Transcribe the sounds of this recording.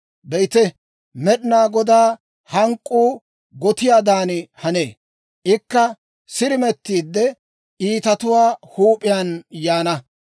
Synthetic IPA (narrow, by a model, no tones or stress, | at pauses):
bɛjt̪ɛ | mɛɗnaːɡɔd̪aː | hɐŋkʼːuː | ɡɔt̪ɪjaːd̪aːnɪhɐnḛː | ʔɪkːɐ | sɪɾɪmɛt̪ːiːd̪ːɛ | iːt̪ɐt̪ʊwaːhuːpʼɪjanjaːnɐ